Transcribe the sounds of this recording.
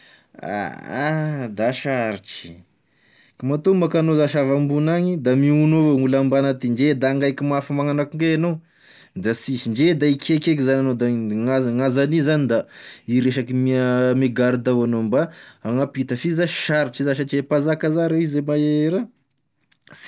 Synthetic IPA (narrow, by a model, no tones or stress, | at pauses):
a̰ad̪aʃaɾiʈ͡ʂi̥ | kamat̪omakanozaʃavambunaɲid̪amiunovoŋulambanat̪iɳd͡ʒed̪aŋɡajkimafamaŋanakuŋɡenow | d̪asiʃiɳd͡ʒed̪aikʰʲekekizananod̪aŋaŋazanizanid̪aiɾeʃakimimeɡaɾid̪awanombaaŋapit̪əfizaʃaɾiʈ͡ʂizaʃ̬at͡ʃepazakazaɾeizemaeɾa | s